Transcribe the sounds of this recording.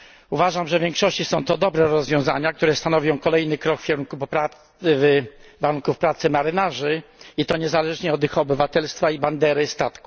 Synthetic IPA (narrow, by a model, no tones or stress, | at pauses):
uvaʐamʐɛvjɛŋkʂɔɕt͡ɕisɔ̃w̃t̪ɔd̪ɔbɾɛɾɔzvʲjɔ̃w̃za̰ɲak̚t̪uɾɛst̪anɔvʲjɔ̃w̃kɔlɛjnɘkɾɔkfkʲɛɾunkuppɾa | vvaɾunkufpɾat̪sɘmaɾɘnaʐɘit̪ɔɲɛzalɛʐɲɛɔd̪ixɔbɘvat̪ɛlst̪faiband̪ɛɾɘst̪at̪ku̥